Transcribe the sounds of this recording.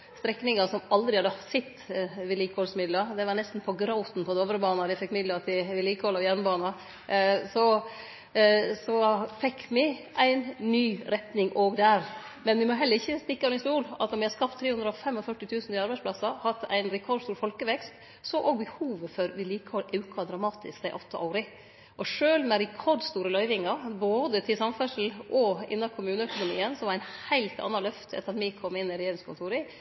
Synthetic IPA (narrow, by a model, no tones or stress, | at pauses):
st̪ɾɛkːnɪŋɑsɔmɑld̪ɾɪhɑd̪əsɛt̪ːʋɪliːkəhɔlsmɪd̪ləd̪ɛʋɑɾɳɛst̪n̩pʰɔɡɾaʊt̪n̩pʰɔd̪ɛoːʋəɾəbɑːnɑd̪ɪfɛkːmɪd̪lɑt̪ʰɪʋɪliːkəhɔlɑʋjæɾməbɑːnɑ | sɔ | sɔfɛkʰːmɪʔæɪnːyːɾɛt̪nɪŋʔoːɡd̪æɾmɛnʋɪmɔɦɛləɾɪçːəst̪ɪkːəɔnɪst̪uːlɑt̪nɔmʋɪhɑskɑp̚t̪ʰːɾeːhʉnd̪ɾəɔfɛmːɔfœʈːɪt̪ʰʉːsn̩ɪɑɾbæɪspʰlɑsɑhɑt̪ʰːæ̰ɪnɾɛkʰɔɾɖst̪uːɾfɔlkəʋɛkst̪ | sɔʔoːɡ̚bəhuːʋəfœɾʋɪliːkɔɾʔʉʉkʰɑd̪ɾɑmɑːt̪ʰɪskd̪æɪʔɔt̪ːəʔɑʊɾɪ | ʔɔʂøːlmɛɾɛkʰɔɖst̪uːɾəlœʏʋɪŋːɑɾboːd̪ət̪ʰɪlsɑmfœʂl̩ɔɪ̰nːɑkʰʊmʉːnəœkʊnʊmḭːənsɔʋɑɾæɪnhæɪlt̪ɑ̰nːɑlœft̪ɛ̰t̪əɾɑt̪mɪkʰɔmːɪnːɪɾɛjeːɾɪŋskʰʊnt̪ʰuːɾɪ